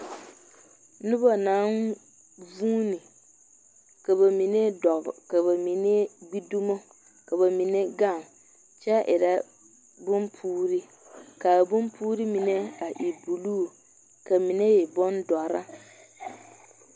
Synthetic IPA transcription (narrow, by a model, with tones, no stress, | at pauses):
nʊ˦ba˨naː˨˦n | vuː˦ni˨ | ka˨ba˨mi˨ne˦dɔ˨ka˨βa˨mi˨ne˦ɡ͡bi˦du˦mo˦ | ka˨ba˨mi˨ne˦ɡa˦˨ŋ | t͡ʃɛ˦ʔɪ˨ɾa˦ | bʊ˦mpʰuː˦ɾi˦ | ka˨bʊ˦mpʰuː˦ɾi˦mi˨nɛ˦a˨ʔi˨bu˨luː˦˨ | ka˨mi˨ne˦jɛ˨bɔ˦ndɔ˨ɾa˦